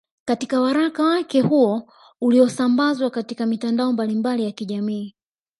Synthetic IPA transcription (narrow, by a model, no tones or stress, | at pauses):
katikawaɾakawakɛhuɔ | uliɔsambazwakatikamitandaɔmbalimbalijakiʄamiː